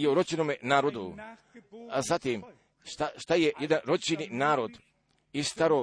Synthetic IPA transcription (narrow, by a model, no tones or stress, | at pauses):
oɾot͡ʃenoːmenaːɾod̪u | azat̪iːm | ʃt̪aʃt̪ajejed̪anɾot͡ʃininaːɾod̪ | ist̪aɾo